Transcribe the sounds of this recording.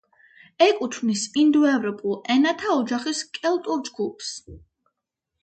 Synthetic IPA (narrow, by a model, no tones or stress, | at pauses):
ɛkʼut̪ʰvnisind̪uɛvɾɔpʼulˠɛnat̪ʰaɔd͡ʒaχiskʼɛlˠt̪ʼuɾd͡ʒɡupʰs